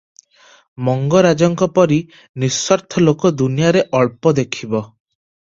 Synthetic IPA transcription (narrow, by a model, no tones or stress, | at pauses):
mɔŋɡɔɾad͡ʒɔŋkɔpɔɾi | niswɔɾt̪ʰɔlokɔd̪unijaɾeʔɔɭpɔd̪ekʰibɔ